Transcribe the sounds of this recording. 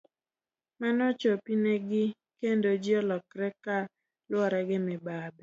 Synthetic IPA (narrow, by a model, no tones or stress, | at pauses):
manɔt͡ʃopineɡɪ | kendod͡ʒɪɔlɔkɾɛka | lwɔɾɛɡɪmɪbabi